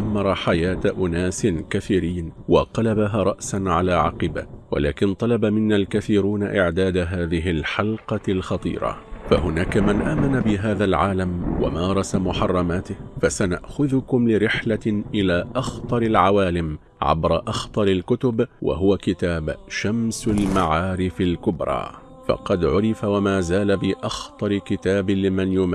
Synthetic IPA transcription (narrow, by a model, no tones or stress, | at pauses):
ʔamːɑɾˤɑħajaːt̪ʔʊnaːsɪnkaθiːɾiːnwɑ̰qɑlabaɦaːɾˤɑʔsanʕalaːʕɑ̰qɨba̰wa̰laːkɪnt̪ˤɑlɑbamɪnːalkaθiːɾuːnaʔɪʕd̪aːd̪aɦaːðɪɦɪlħɑlqɑlxɑt̪ˤḭːɾˤɑ̰fahʊnaːkamanʔaːmanabɪɦaːðalʕaːlamwa̰mɑːɾˤɑsamʊħɑrˤːɑmaːt̪ɪhfasana̰ʔxʊðʊkʊmlɪɾɪħlaʔɪlaːʔɑxt̪ˤɑɾˤɪlʕawaːlɪm | ʕa̰bɾˤɑʔɑxt̪ˤɑɾˤɪlkʊt̪ʊbwa̰ɦʊwakɪt̪aːbʃamsalmaʕaːɾɪfalkʊbɾˤɑ̰ː | fɑ̰qɑd̪ʕʊɾɪfawamaːzaːlabɪʔɑxt̪ˤɑɾɪkɪt̪aːbɪlɪmanjʊma